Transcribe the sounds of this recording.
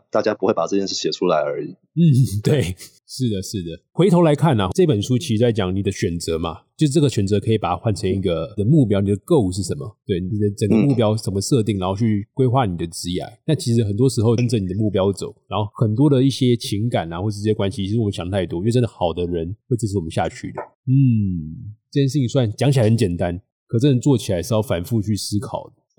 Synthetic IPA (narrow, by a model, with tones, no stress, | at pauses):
t̪a˥˩t͡ɕja˥pu˥xwe˥˩ɪpa˨˩ɤ˥˧t͡ɕjɛ˥˧nʂɻ̩˥˩ɕjɛ˨˩ʈ͡ʂʰu˥la˧˥ɪə˞˧˥i˨˩ | n̩˥˩t̪we˥˩ɪ | ʂɻ̩˥˩d̪ə˩ʂɻ̩˥˩d̪ə˩xwe˧˥ɪt̪ʰo˧˥la˧˥ɪkʰa˥˩na˩ʈ͡ʂɤ˥˩i˥pə˨˩nʂu˥t͡ɕʰi˧˥ʂɻ̩˧t͡sa˥˩ɪt͡ɕjɑ˨˩ŋni˨˩d̪ə˦ɕɥɛ˨˩nt͡sɤ˧˥ma̰˨t͡ɕjo˥˧ʊʂɻ̩˥˩ʈ͡ʂɤ˥˩ɡə˩ɕɥɛ˨˩nt͡sɤ˧˥kʰɤ˧˥i˨˩pa˨˩tʰxwa˥˩nʈ͡ʂʰɤ˧˥ŋi˥˩ɡə˨d̪ə˦mu˥˩p̬jɑ˥ʊni˨˩d̪ə˩kɤ˥˧u˨˩ʂ̬ɻ̩˥˩ʂə˧˦nmə̰˨˩t̪we˥˩ɪnii˨˩d̪ə˦ʈ͡ʂə˨˩ŋɡə˧˦mu˥˩pjɑ˥ʊʂə˧˩nmə˧ʂɤ˥˧t̪̬i˥˩ŋa˧˥nxo˥˧t͡ɕʰy˥˩kwe˥ɪxwa˥˩ni˨˩d̪ə˩t͡sɻ̩˥ja̰˨˧˦ɪna˥˩t͡ɕʰi˧˥ʂ̬ɻ̩˧˥xə˨˩nt̪wɔ˥ʂɻ̩˧˥xo˧ʊ˥nʈ͡ʂə˨˦ni˨˩d̪ə˩˦mu˥˩pjɑ˥ʊt͡so˨˩˦ʊɻa˧˥nxo˥˩ʊxə˨˩nt̪̬wɔ˥d̪ə˨i˥˩ɕjɛ˦˥t͡ɕʰi˧˦˥ŋka˨˩na˨˩xwɔ˥˩˧ʂ̬̩˥˧˩jkwa˦nɕi˨t͡ɕʰi˧˥ɻ̩˧wmə˦nɕjŋə˧t̪ʰa˥˩ɪt̪wɔ˥jo˧˥˧ə˦nd̪ə˨xɑ˨˩ʊd̪ə˦ɻə˧˦nxwe˥˧ɪt͡ɕs̬̩ʰ˧wɔ˨mə˦nɕja̰˥˧t͡ɕʰy̰˥˩d̪ə˩ | n̩˥˩ | ɤ˥˩jʂ̬̩˥˩ni˨˩swa˥˩nt͡ɕjɑ˧˥ŋt͡ɕʰi˨˩a˨˥˩ə˧˦nt͡ɕjɛ˨˩nt̪a˦n | kʰɤ˨˩t͡sə˥˩nə˧t͡swɔ˥˩t͡ɕʰi˨la˧˥ɪʂɻ̩˥˧jɑ˥˩ʊfa˨˩nfu˥˧t͡ɕʰy˥˩sɹ̩˥kʰɑ̰˨˩ʊd̪ə˦